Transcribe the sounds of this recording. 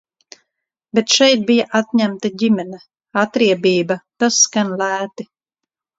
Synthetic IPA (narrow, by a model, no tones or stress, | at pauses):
bet̪ʃɛjt̪̚bijaʔat̪ɲæmt̪aɟʲimɛnɛ | at̪ɾiɛbiːbat̪askanlæːt̪i